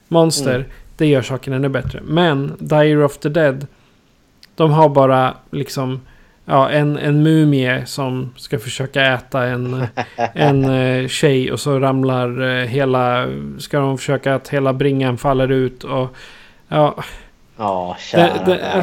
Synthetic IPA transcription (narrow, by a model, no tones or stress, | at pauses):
mɔnst̪əɾd̪̥ɛjœːʂɑːkəɳɛnːɵbɛt̪ɾə̰mɛnd̪ajəɾɔfd̪əd̪ɛd̪ | d̪̥ɔmɦaɾbɑːɾalɪksɔm | jɑːʔɛnɛ̰nmʉ̟ːmɪəsɔmskafœʂøːkaɛːt̪aɛn | ɛnɕɛjɔ̰sɔɾamlaɾɦeːlaskad̪ɔmfœ̥ʂøːkaːt̪heːlabɾɪŋːanfalːəɾʉ̟ːt̪ʰɔ | jɑː | d̪ɛd̪ɛ